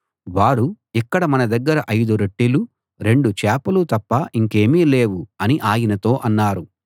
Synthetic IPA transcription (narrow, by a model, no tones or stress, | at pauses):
ʋaːɾu | ikːɐɽɐmɐnɐd̪ɐɡːɐɾɐʔɐjd̪uɾeʈːilu | ɾe̞ɳɖut͡ʃɛːpɐlut̪ɐpːɐʔiŋke̞ːmiːleːwuɐniʔaːjinɐt̪o̞ːʔɐnːaːɾu